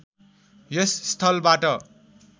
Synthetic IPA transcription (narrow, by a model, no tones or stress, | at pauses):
jʌsːt̪ʰʌlbaʈʌ